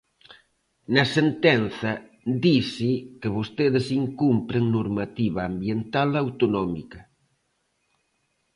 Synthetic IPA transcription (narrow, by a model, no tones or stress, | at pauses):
nɐsent̪enθɐ | d̪isɪkeβost̪eðɪsiŋkumpɾeŋnoɾmat̪iβɐːmbjent̪alawt̪onɔmikɐ